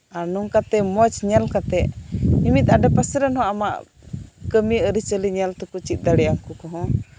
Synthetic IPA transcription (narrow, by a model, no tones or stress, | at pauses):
aɾnuŋkat̪ɛmɔt͡ʃɲɛlkat̪ɛʔimit̪̚ˀaɖɛpasəɾənɦɔ̃ʔamaʔ | kəmiəɾit͡ʃəliɲɛlt̪ɛkut͡ʃit̪̚ˀd̪aɽɛjamkɔkɔɦɔ̃